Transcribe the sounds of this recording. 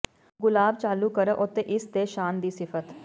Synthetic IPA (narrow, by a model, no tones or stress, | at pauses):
ɡʊlaːb̚t͡ʃaːluːkəɾəːʔʊt̪ːeːʔɪst̪eːʃaːnd̪iːsɪfʰət̪